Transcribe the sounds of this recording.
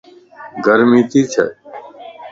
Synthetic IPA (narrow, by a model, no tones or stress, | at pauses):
ɡʱəɾmiːt̪iːt͡ʃʰə̰